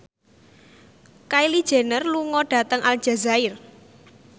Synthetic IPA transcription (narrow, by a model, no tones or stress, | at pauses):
kaili̥ʒ̥e̤nərluŋɔɖ̥a̤t̪əŋʔal̥ʒ̥a̤zaɪr